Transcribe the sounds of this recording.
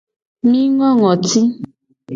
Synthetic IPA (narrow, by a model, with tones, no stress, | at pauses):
mi˦ŋɔ˦ŋɔ˨ti˦